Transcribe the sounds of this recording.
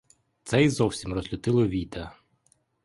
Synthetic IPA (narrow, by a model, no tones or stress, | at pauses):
t̪sɛizɔwsʲimrɔzlʲʊt̪ɪlˠɔʋʲit̪ɐ